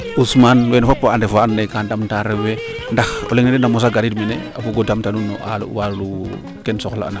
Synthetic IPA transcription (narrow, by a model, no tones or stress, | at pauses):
usmanwenfapːaandefaanːekandamtaɾewe | ndaxo̰leŋnedenamos̬aɡaɾidminḛapuɡodamtanunːo̰ʔa̰l̰walu | kensokol̰a̰na